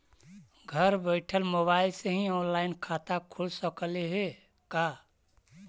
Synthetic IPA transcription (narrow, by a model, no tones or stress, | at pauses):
ɡʱəɾbəɪʈʰəlmobailseɦĩɔːnlaɪnkʰat̪akʰulsəkəleɦe | ka